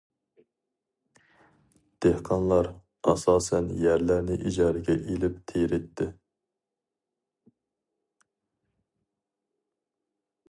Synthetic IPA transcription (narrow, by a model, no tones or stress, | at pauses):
d̪̥ehqʰɑnlˠɑɾ | ɑ̰sɑːsɛnjæɾlæɾnɪʔid͡ʒɑːɾɪɡʲɛʔilɪpt̪ʰejɾɪt̪ʰːɪ